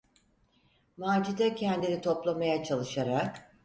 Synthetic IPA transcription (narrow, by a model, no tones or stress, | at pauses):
maːd͡ʒid̪acʰɛnd̪init̪ʰo̞plˠamajat͡ʃʰalˠɯʃaɾak